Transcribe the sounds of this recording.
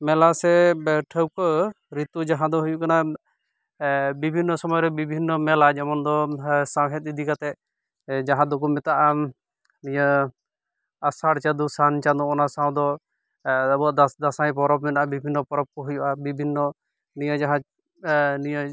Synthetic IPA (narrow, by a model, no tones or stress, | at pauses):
mɛlasɛbʈʰəwkɔ | ɾit̪ud͡ʒaɦãd̪ɔɦujuʔkana | bibʱinːɔsɔmɔjɔɾɛbibʱinːɔmɛlad͡ʒɛmɔnd̪ɔsawɦɛt̪̚id̪ʱikat̪ɛ | d͡ʒaɦãd̪ok̬umɛt̪aʔa | nijə | asaɽt͡ʃad̪usant͡ʃad̪ɔ̃ɔnasaw̃d̪ɔ | əbɔad̪d̪asajpɔɾɔbmɛnaʔabibʱinːɔpɔɾɔb̚kɔɦujuʔabibʱinːɔ | nijəd͡ʒaɦã | nijə